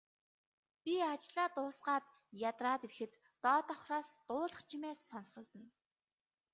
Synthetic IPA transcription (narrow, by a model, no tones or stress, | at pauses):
pʲiat͡ɕɮaːt̪ʊːsɢaːt̪ | jat̪raːt̪eɾ̆xɘ̆t̪ːɔːt̪ɔχraːst̪ʊːɮə̆χt͡ɕʰimeːsːɔnsə̆k̚t̪ə̆n